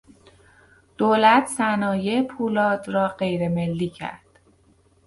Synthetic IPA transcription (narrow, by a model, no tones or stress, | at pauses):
d̪̥oːlæt̪ʰsænɒːjepʰuːlɒːd̪rɒːɢe̞jɾe̞melːiːcʰæ̰ɾd̪̥